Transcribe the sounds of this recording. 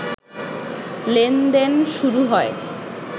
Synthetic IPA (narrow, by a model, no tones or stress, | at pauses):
lend̪enʃuɾuɦɔe